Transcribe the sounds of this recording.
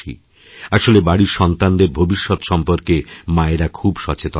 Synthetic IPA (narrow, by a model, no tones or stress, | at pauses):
ḭ | aʃolebaɽiɾʃɔnt̪and̪eɾbʱobiʃːɔt̪ʃɔmpoɾkemaeɾakʰubʃɔt͡ɕet̪o